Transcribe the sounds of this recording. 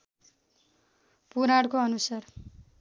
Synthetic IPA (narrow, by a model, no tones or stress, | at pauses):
puɾaɽkoʌnusar